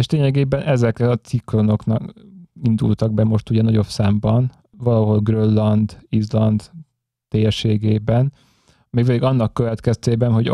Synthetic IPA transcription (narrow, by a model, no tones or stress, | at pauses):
eʃleːɲɛɡeːbɛnʔɛzɛkɛɒt̪siklo̞no̞knɒkind̪ṵlt̪ɒɡ̚bɛmo̞ʃt̪uɟɛnɒɟo̞psaːmbɒn | vɒlɒɦo̞lɡrølːɒnd̪izlɒnd̪ | t̪eːjɛʃeːɡeːbɛn | meːk̚pɛd̪iɡɒnːɒkːøvɛt̪kɛst̪eːbɛnɦo̞ɟ